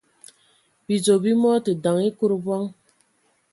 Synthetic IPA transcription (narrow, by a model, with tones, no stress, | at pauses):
bi˨d͡zo˨bi˦mɔ˦tɨ˨da˨ŋi˦ku˦ɾbɔ˦ŋ